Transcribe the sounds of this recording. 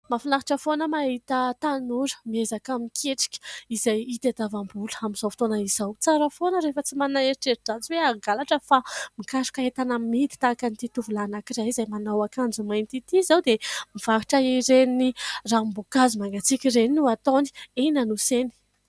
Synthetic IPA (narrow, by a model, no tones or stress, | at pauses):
mafinaɦiʈ͡ʂəfonəmaɦit̪ət̪anuɾə̥miezakamikʰeʈ͡ʂi̥kʲə̥izajit̪ad̪avambulə̥amiz̥afi̥t̪onəizawt͡saɾəfonəɾefət͡simanaeɾiʈ͡ʂeɾid͡zat͡siweaɡalaʈ͡ʂəfamikaɾu̥kaɦet̪anamit̪i̥t̪akanit̪it̪uvulanakiɾajizajmanawakand͡zumajnt̪it̪izawd̪emiv̥akiʈ͡ʂəiɾenirambokazimaŋɡat͡sikʲireninuat̪oni̥enanuseni̥